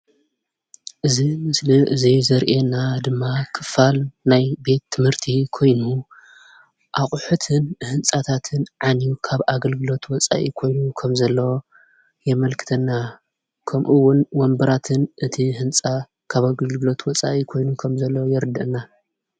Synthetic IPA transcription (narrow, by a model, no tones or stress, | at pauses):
ʔɨzimɨsliʔɨzizɐɾʔenad̪ɨmːakʰɨfalnajbe̞t̪ʰːɨmhɨɾt̪ʰikʰo̞jnu | ʔaχʼħut̪ʰɨnhɨnt͡sʼat̪ʰat̪ʰɨnʕanjukʰaβaɡɐlɡɨlo̞t̪wɔt͡sʼa̰ʔikʰo̞jnukʰɐmzɐlːɐwo | jɛmɐlkʰɨ̥t̪ʰɐnːa | kʰɐmʔuwːʊnwɔmbɐɾat̪ʰɨnʔɨt̪ʰihɨnt͡sʼa | kʰaβaɡɐlɡɨlo̞t̪wɔt͡sʼa̰ʔikʰo̞jnukʰɐmzɐlːɐwjɛɾɨd̪ɐʔɨna